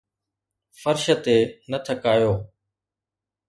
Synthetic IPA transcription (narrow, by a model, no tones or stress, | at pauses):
fəɾʃət̪eːnət̪ʰəkaːjoː